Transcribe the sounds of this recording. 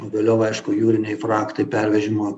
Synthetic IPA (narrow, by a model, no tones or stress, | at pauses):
oːʋʲeːlʲoːʊʋɐɪʃkʊjuːɾʲɪnʲɛɪfɾɑːkt̪ɐɪpʲɛɾʲʋʲɛʒʲɪmoː